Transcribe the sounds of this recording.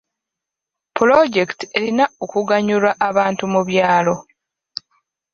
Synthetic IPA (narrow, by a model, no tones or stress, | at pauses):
pulo̞ɟe̞ktie̞linaokuɡaɲulwaʔːβaːntumuβjaːlo̞